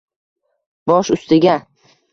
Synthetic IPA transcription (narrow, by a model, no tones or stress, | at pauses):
bɒʃʊst̪ɪɡʲa